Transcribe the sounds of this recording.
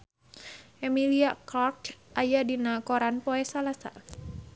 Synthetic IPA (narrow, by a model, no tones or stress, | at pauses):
ʔɛmiliakartʔajadinakɔɾanpɔɛsalasa̰